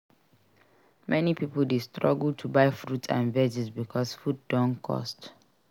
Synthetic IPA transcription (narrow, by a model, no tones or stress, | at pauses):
mʔɛnipipəl̩destʰɹɔɡltʰubaɪfɹutsã̰nvɛd͡ʒɛsbikʰɔsfud̚dɔ̃nkʰɔ̰st